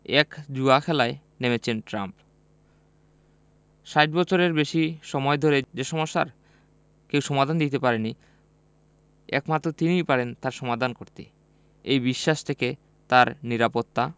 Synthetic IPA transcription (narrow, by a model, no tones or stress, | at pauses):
ɛkd͡ʑuakʰɛlae | nemet͡ɕʰenʈɾamp | ʃaʈbɔt͡ɕʰoɾeɾbeʃiʃɔmɔed̪ʱoɾed͡ʑeʃɔmoʃːa̰ɾ | kewʃɔmad̪ʱand̪it̪epaɾeni | ɛ̰kmat̪ːɾot̪inijpaɾent̪aɾʃɔmad̪ʱankoɾt̪ḭ | ejbiʃːaʃt̪ʰeke | t̪aɾniɾapot̪ːa